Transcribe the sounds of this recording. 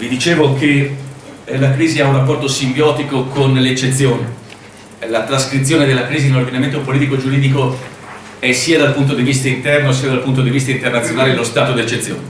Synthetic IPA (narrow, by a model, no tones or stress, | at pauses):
vid̪it͡ʃeːvoke | lakɾiːziaurapːɔrt̪osimbjɔːt̪ikokonleet͡ʃːet̪sːjoːne | lat̪ɾaskɾit̪sːjoːned̪elːakɾiːziinord̪inament̪opoliːt̪ikod͡ʒuɾiːd̪iko | ɛsːiːad̪alpunt̪̬od̪ivist̪aint̪ɛrnosiad̪alpunt̪̬od̪ivist̪aint̪ernat̪sjonaːlelost̪aːt̪od̪et͡ʃːet̪sːjo̰ːne